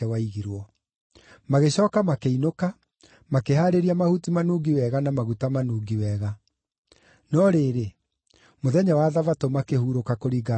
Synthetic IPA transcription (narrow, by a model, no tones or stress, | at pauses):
ɛwaiɣiɾwɔ | maɣeɕɔːkamakeinoka | makeɦaɾeɾiamahutimanuɡiwɛɣanamaɣutamanuːɡiwɛːɣa | nɔɾeɾe | moðɛɲawaːðavatomakehuːɾokakoɾiːɡa